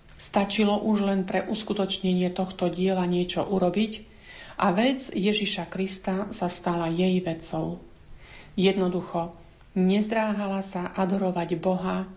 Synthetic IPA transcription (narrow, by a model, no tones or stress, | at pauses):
st̪at͡ʃilɔʔuʒlɛnpɾɛʔuskut̪ɔt͡ʃɲɛɲɪɛt̪ɔxt̪ɔɟɪɛlaɲɪɛt͡ʃɔʔuɾɔbic | ʔaʋɛd͡zjɛʒiʃakɾist̪asast̪alajɛjʋɛt͡sɔʊ | jɛd̪nɔd̪uxɔ | ɲɛzd̪ɾaːɦalasaʔad̪ɔɾɔʋaɟbɔɦa